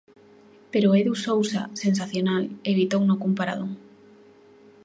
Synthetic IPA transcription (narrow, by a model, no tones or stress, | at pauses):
peɾoeðusowsa̰sens̬aθjonaleβ̞it̪ownokumpaɾa̰ðuŋ